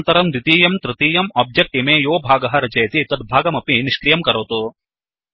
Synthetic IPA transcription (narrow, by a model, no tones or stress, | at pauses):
nt̪ɐɾɐmd̪it̪iːjɐmt̪ɾɐt̪iːjɐmɔːb̚d͡ʒek̚ʈemeːjoːbʱaːɡɐɦɐɾɐt͡ʃɐjɐt̪it̪ɐd̪̚bʱaːɡɐmɐpiniʃkɾijɐmkɐɾoːt̪u